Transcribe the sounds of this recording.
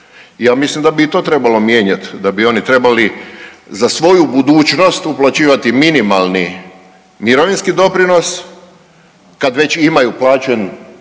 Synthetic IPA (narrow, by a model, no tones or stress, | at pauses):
jaːmislimd̪abiit̪o̞ːt̪ɾe̞balo̞mjeːɲat̪d̪abio̞nit̪ɾe̞balizasʋo̞jubud̪uːt͡ʃno̞st̪uplˠat͡ɕiːʋat̪iminimalˠni | miɾoʋinskid̪o̞pɾino̞s | kad̪ʋe̞t͡ɕimajuplˠaːt͡ɕen